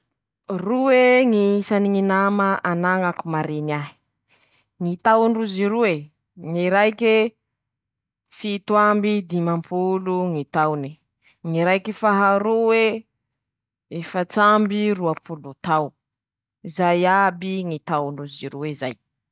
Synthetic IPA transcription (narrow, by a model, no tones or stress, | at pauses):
ruweŋiisaniŋinamaʔanaŋakumaɾeniaɦi̥ | ŋit̪awnruziɾuwe | ŋiɾajke | fit̪wambid̪imampʰuluŋit̪awni | ŋiɾajkifaɦaɾuwe | efat͡sambiruapʰulut̪aw | izajabiŋit̪awnuziɾuwezaj